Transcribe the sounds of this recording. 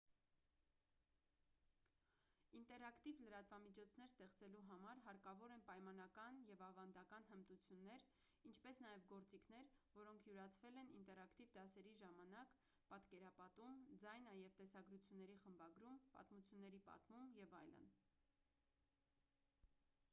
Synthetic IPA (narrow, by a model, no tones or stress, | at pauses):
int̪ɛɾɑkt̪ivləɾɑt̪vɑmit͡ʃʰɔt͡sʰn̪ɛɾst̪ɛχt͡sɛluɦɑmɑɾɦɑɾkɑvɔɾɛnpɑjmɑn̪ɑkɑnjɛvɑvɑnd̪ɑkɑnɦəmt̪ut͡sʰjunːɛɾ | int͡ʃʰpɛsn̪ɑjɛvɡɔɾt͡sikʰn̪ɛɾvɔɾɔŋkʰjuɾɑt͡sʰvɛlɛnint̪ɛɾɑkt̪ivd̪ɑsɛɾiʒɑmɑnɑk | pɑt̪kɛɾɑpɑt̪umd͡zɑjnɑjɛvt̪ɛsɑɡɾut͡sʰjunːɛɾiχəmbɑɡɾumpɑ̰t̪mut͡sʰjunːɛɾipɑ̰t̪mumjɛvɑjlə̰n